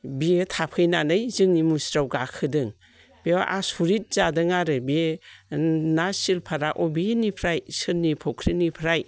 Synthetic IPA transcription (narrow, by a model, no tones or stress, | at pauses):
bietʰapʰɯjnanɯjzɯŋnimusɾawɡakʰɯdɯŋ | b̥eaʔasuɾit̚zadɯŋaɾɯbi | nasilpʰaɾaʔɔbinipʰɾajsɯɾnipʰɔkʰɾinipʰɾaj